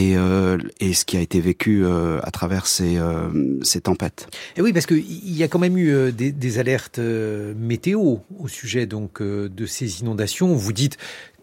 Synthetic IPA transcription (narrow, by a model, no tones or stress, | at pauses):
eøesə̥kʲiaet̪evekʲyøa̰t̪χavɛʁseøset̪ɑ̃pɛt̪wipaʁsə̥kəiiljakɑ̃mɛmyød̪ed̪ezalɛʁt̪ømet̪eoosyʒɛd̪ɔ̃kød̪əsezinɔ̃d̪asjɔ̃vud̪it̪